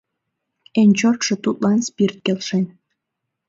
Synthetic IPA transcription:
enʲt͡ɕort̪ʃĕt̪ut̪lɑnspirt̪̚kelʃenʲ

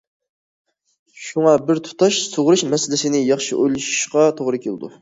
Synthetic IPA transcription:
ʃuŋɑbɪɾt̪ʰu̥t̪ʰɑʃsoʁɾuʃmɛsɪlɪsɪnɪjɑχʃiʔojlˠɪʃu̥ʃqɑt̪ʰoʁɾɨkʲʰelɪd̪ṵ

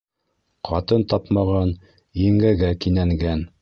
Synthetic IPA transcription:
qʰɑt̪ɤnt̪ɑpmɑʁɑn | iŋɡæɡækinæŋɡæn

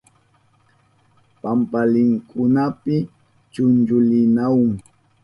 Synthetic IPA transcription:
pampalɪŋkʰʊnapɪ | t͡ʃʊnd͡ʒʊlɪnawʊŋ

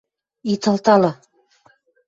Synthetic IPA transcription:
it̪ɑ̆lˠt̪ɑlˠɤ

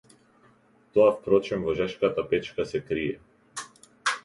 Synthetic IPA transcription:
t̪ɔafpɾɔt͡ʃɛmvɔʒɛʃkat̪apɛt͡ʃkasɛkɾiɛ

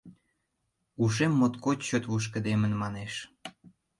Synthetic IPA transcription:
uʃ̬emːot̪kott͡ɕøt̪βuʃ̬kə̆d̪emənmɑneʃ

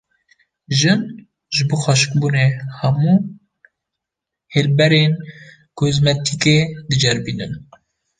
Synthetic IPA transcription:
ʒɨn | ʒɨboːxɑʃkbunehɛmuː | helbɛɾeːn | kʰozmɛt̪ʰiked̪ɨd͡ʒɛɾbinɨn

